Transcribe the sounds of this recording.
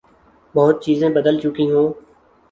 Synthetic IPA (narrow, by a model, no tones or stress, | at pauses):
bɔːt̪̚t͡ʃiːzẽːbəd̪əlt͡ʃʊkĩːɦoː